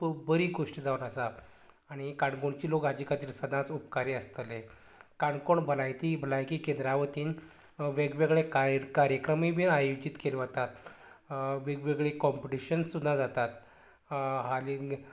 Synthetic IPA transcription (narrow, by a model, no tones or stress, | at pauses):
pbəɾiːɡoʂʈid͡zaunəsaː | ɽ̃ikaɳkoɳt͡ɕiːlokad͡ʑikat̪iːɾsəd̪ʱat͡supkaɾeəst̪əle | kaɳkoɳbəlajt̪ibəlajkiːkend̪ɾaʋət̪iːn | ʋeɡʋeɡɭekkaɾjəkɾəmiʋinajud͡ʑit̪keleʋat̪at̪ | ʋeɡʋeɡɭekɔmpiʈiɕənsud̪ʱːãd͡zat̪at̪ | ɦaliŋɡ